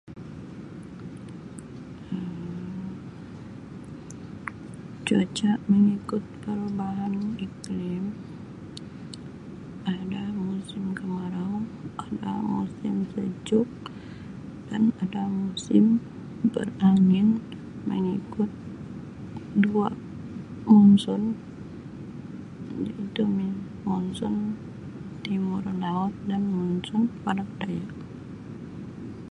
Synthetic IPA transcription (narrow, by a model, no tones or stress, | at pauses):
ə | t͡ʃuat͡ʃaʔməŋikʊt̪̚pəɾubaɦaniklim | ʔadamusɪmkəmaɾaŋʔada̰mṵsɪmsəd͡ʒʊk̚ | danadamusɪm | bə̰raŋɪn | mə̰ŋikʊt̪̚ | dua | mɔnsɔn | d͡ʒait̪umi | mɔnsɔn | t̪imʊrlaɔt̪̚danŋɔnsɔnpadakdajak